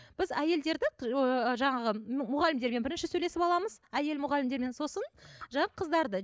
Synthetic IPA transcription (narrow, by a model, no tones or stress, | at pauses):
b̥ɪzæje̞ld̪e̞ɾd̪ɪʒɑɴɑʁəmʊʁɑlɪmd̪e̞ɾme̞nbɪɾɪnʃɪsɵjle̞sɪpɑlˠɑməz̥æje̞lmʊʁɑlɪmd̪eɾme̞nso̞sənʒɑɴɑqʰəzd̪ɑɾd̪ə